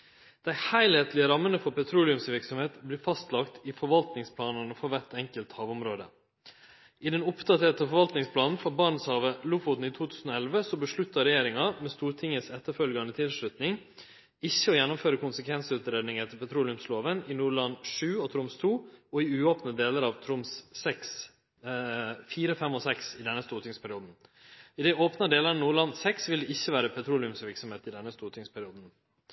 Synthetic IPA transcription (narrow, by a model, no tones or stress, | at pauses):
d̪̥æɪhæɪlheːt̪lɪəɾɑmːənəfɔɾpɛt̪ʰɾuːlɪʉmsʋɪɾksɔmheːt̪blɪːfɑst̪lɑkt̪ɪfɔɾʋɑlt̪nɪŋspʰlɑːnənfɔʋæt̪ɛŋkəlt̪hɑːʋʊmɾoːd̪ə̰ | ʔɪd̪ɛnʊpt̪ʰɑt̪heːt̪ɑfɔɾʋɑlt̪nɪŋspʰlɑːnn̩fɔbɑːɳn̩shɑːʋəlʊfʊt̪n̩it̪ʰuːt̪ʰʉːsn̩oːɛlʋəsɔbəʂɭʉt̪ːɑɾɛjeːɾɪŋɑmɛst̪uːɾʈʰɪŋəsɛt̪ːəɾfœlɡɑnət̪ʰɪlsʂɭʉt̪nɪŋ | ɪçːəɔjɛnːʊmføːɾəkʰʊnsəkʰʋɛnsəʉːt̪ɾeːd̪nɪŋɛt̪ːəpʰɛt̪ʰɾuːlɪʉmsloːʋənɪnuːɭɑnːʂʉːɔt̪ʰɾʊmst̪ʰuːɔɪʉːoːpnəd̪eːləɾɑʋt̪ʰɾʊmsːɛks | fiːɾəfɛmɔsɛksɪd̪ɛnːəst̪uːɾʈ̪ʰɪŋspʰæɾɪuːd̪n̩ɪd̪ɛʔoːpnɑd̪eːləɾnuːɭɑnsɛksʋɪld̪ɛɪçːəʋæːɾəpʰɛt̪ʰɾuːlɪʉmsʋɪɾksɔmheːt̪ɪd̪ɛnːəst̪uːɾʈ̪ʰɪŋspʰæɾɪuːd̪n̩